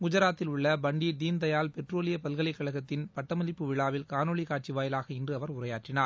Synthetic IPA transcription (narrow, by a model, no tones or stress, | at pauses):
kʊd͡ʒɐɾaːt̪ːɪlʊɭːɐbɐɳɖid̪iːnd̪ɐjaːlpɛʈroːlɪjɐpɐlɣɐɭɐɪkːɐɭɐɣɐt̪ːɪnpɐʈːɐmɐlɪpːɯʋɪɭaːʋɪlkaːnɔɭikaːʈ̚t͡ʃiʋaːjɪlaːɣɐɪndrɯɐʋɐɾʊrɐjaːʈrɪnaːɾ